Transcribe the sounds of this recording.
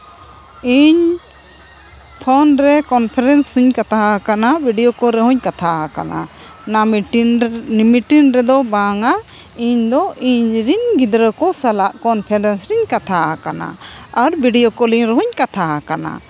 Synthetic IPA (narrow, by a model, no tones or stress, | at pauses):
iɲ | t̪ʰɔnɾɛkɔnpʰɛɾɛnsiɲkat̪aakanabiɖijokɔɾɛɦuɲkat̪ʰaaka̰na̰ | miʈinɾɛd̪ɔbaŋa | iɲd̪ɔʔiɲɾinɡid̪ɾəkɔsalaʔkɔnpʰɛɾɛnsɾiɲkat̪ʰaʔakana̰ | aɾbiɖijokɔliɲɾɛɦuɲkat̪ʰaʔkana̰